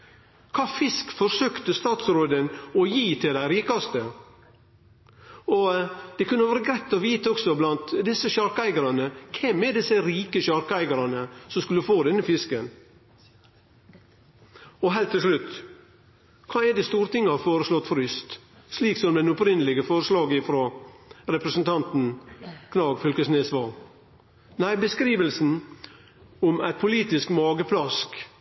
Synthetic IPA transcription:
kʰɑːfɪskfɔɾsøːkt̪əst̪ɑːt̪sɾoːd̪ənɔjiːt̪ʰɪld̪æɪɾiːkɑst̪ə | ɔd̪̥ɛkʰʉnːəʋæːɾəɡɾæɪt̪ːɔʋiːt̪əɔksɔblɑnt̪d̪ɪsəʃɑɾkəæɪɡɑɾɑnəkʰɛmɛɖɪsəɾiːkəʃɑɾkəæɪɡɑɾɑnəsɔmskʉlːəfoːd̪ɛnːəfɪskən | ɔɦɛlt̪ʰːɪlʂlʉt̪ | kʰɑːɛd̪eːst̪uːɾət̪ɪŋːəhɑfoːɾəslɔt̪ːfɔɾʏst̪ | sliːksɔmd̪ɛnʊpɾɪnəlɪɡəfɔːɾəslɑːɡɪfɾoːɾɛpɾəsən̩t̪ʰɑnt̪n̩kʰnɑːɡfʏlkəsneːsʋɑl | næɪbəskɾiːʋəlsn̩ | ʊmæ̰ɪt̪̚pʰʊliːt̪ɪskmɑːɡəpʰlɑsk

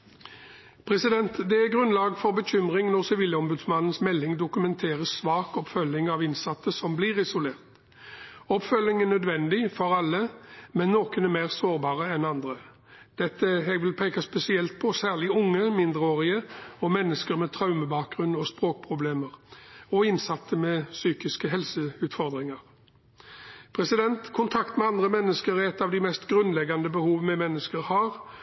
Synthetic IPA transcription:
pʰʁɛsɪd̪ɛnt̪d̪ɛæɡʁʉnlɑːɡfɔʁbəçʏmʁɪŋnɔʁsɛʋiːləɔmbʉd̪smɑnn̩smɛlːɪŋd̪ʊkʉmɛnt̪ʰeːʁəsʋɑːkɔpfœlːɪŋɑʋɪnsɑt̪ːəsɔmbliʁɪsʊleːʁt̪ | ɔpfœlːɪŋænœd̪ʋɛnd̪ɪfɔʁɑlːəmɛnːoːkənɛmeːʁsoːʁbɑːʁəɛnɑnd̪ʁə | d̪̥ɛt̪ːəɛɡʋɪlpʰeːkɑspɛsɪɛlt̪̚pʰɔsæːʁɭɪʊŋːəmɪnd̪ʁəoːʁɪəɔmɛnːəskəɾmɛt̪ʰɾɑʉməbɑːk̚ɡʁʉnɔspʁoːk̚pʰʁʊbleːməʁɔɪnsɑt̪ʰːəmɛsyːkɪskəɦɛlsəʉːt̪fɔʁd̪ɾɪŋɑʁ | pʰʁɛsɪd̪ɛnt̪kʰʊnt̪ʰɑkt̪mɛɑnd̪ʁəmɛnːəskəɾɛt̪ːɑʋd̪ɪmɛst̪ɡʁʉnlɛɡːɑnd̪əbəhuːʋnɛmɛnːəskəɾhɑːʁ

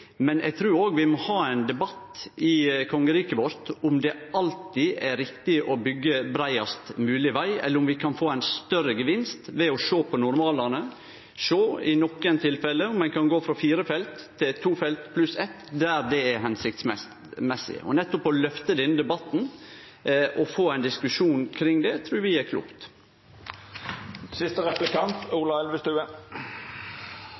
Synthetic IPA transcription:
mɛnʔɛ̰ɪɡt̪ʰɾʉːɾoːɡʋɪmɔhɑːæɪnd̪ɛbɑt̪ɪkʰɔŋːəɾiːkəʋɔɾt̪ʊmd̪ɛʔɑlt̪ɪæɾɪkt̪ɪʔɔbʏɡːəbɾæɪɑst̪mʉːlɪʋæɪɛ̰lːəɾʊmʋɪkʰɑnfoːæɪnst̪œɾəɡəʋɪnst̪ʋɛɔʂoːpʰɔnʊɾmɑːlɑnə | ʂoːɪnɔkːənt̪ʰɪlfɛlːəʊmːɛnkʰɑnɡoːfɾɑfiːɾəfɛlt̪ʰːɪlt̪ʰːuːfɛlt̪pʰlʉsɛt̪d̪æɾd̪ɛæɾɦɛnsɪkt̪sɛ | mɛsɪ̰ɔ̰nɛt̪ːɔpɔlœft̪əd̪ɛnd̪ɛbɑt̪ːn̩ | ʔɔfoːæɪnd̪ɪskʉʂuːnkʰɾɪŋd̪ɛt̪ʰɾʉːɾʋɪæɾkʰlṵːkt̪ | sɪst̪əʁɛplɪkɑnt̪uːlɑɛlʋəst̪ʉːə

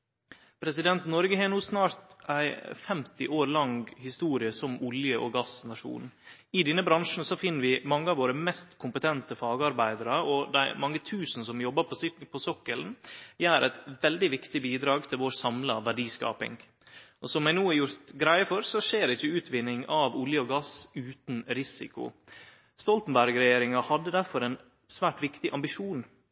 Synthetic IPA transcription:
pʰɾɛsɪd̪ɛnt̪nɔɾɡəhɛːnuːsnɑːɾt̪æɪfɛmt̪ɪʔoːɾlɑŋɡhɪst̪uːɾɪəsɔmʊljəʔɔɡɑsnɑʂṵːn | ɪd̪ɛnːəbɾɑŋʂn̩sɔfɪnːəɾʋɪmɑŋːəɑʋoːɾəmɛst̪kʰʊmpət̪ʰɛnt̪əfɑːɡəɑɾbæɪd̪əɾəɔd̪æɪmɑŋːət̪ʰʉːsn̩sɔmjɔbːəpʰɔsɔkːəlnjæːɾʔæɪt̪ʋɛld̪ɪʋɪkt̪ɪbiːd̪ɾɑːɡt̪ʰɪlʋoːɾsɑmlɑʋæɖiːskɑ̰ːpɪ̰ŋ | ʔɔsɔmæɪnuːæɾjʊɾt̪ɡɾæɪəfɔɾsɔʂeːɾɛɪçːəʉːt̪ʰʋɪnːɪŋɑʋʊljəɔɡɑsʉːt̪nɾɪsɪ̰kʊ̰ | st̪ɔlt̪ən̩bæɾɡɾɛjeːɾɪŋɑhɑd̪ːəd̪æɾfɔɾɛn | sʋæːʈʋɪkt̪ɪʔɑmbɪʂuːn

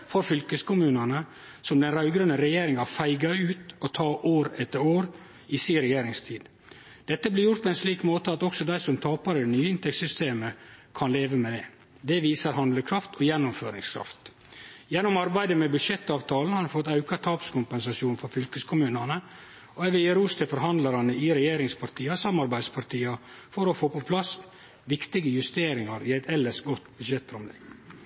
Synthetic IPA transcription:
fɔɾfʏlkəskʰʊmʉːnənə | sɔmd̪ɛnɾɑʉɡɾənəɾɛjeːɾɪŋɑfæɪɡɑʉːt̪ɔt̪ʰɑːʔoːɾɛt̪ːəɾoːɾ | ɪsiːɾɛjeːɾɪŋst̪ʰiːd̪ | d̪̥ɛt̪ːəbliːɾjʊɾʈt̪̚pʰɔːɛnsliːkmoːt̪əɑt̪ɔksɔd̪æɪsɔmt̪ʰɑːpɑɾəd̪ɛnyːəɪnt̪ʰɛk̚sʏst̪ʰeːməkʰɑnleːʋəmɛd̪ɛ | d̪ɛʋiːsəɾɦhɑnd̪ləkʰɾɑft̪ʰɔjɛnːʊmføːɾɪŋskʰɾɑ̰ft̪ | jɛnːʊmɑɾbæɪd̪əmɛbʉd̪ʂɛt̪ːɑːʋt̪ʰɑːln̩hɑɾɖʉfɔt̪ːɑʉkɑt̪ʰɑːpskʊmpɛnsɑʃɪuːnfɔɾfʏlkəskʰʊmʉːnənə | ɔɛʋɪəɾuːst̪ʰəfɔɾɦɑnd̪lɑɾɑnəɪɾɛjeːɾɪŋspʰɑɾt̪ʰiːɑsɑmːɑɾbæɪd̪spʰɑɾʈ̪iːɑ | fɔɾɔfoːpɔpʰlɑs | ʋɪkt̪ɪɡəjʉst̪eːɾɪŋɑɾɪæɪt̪ʰɛlːəʂɡɔt̪bʉd̪ʃɛt̪̚pʰɾʊmlḛɡ

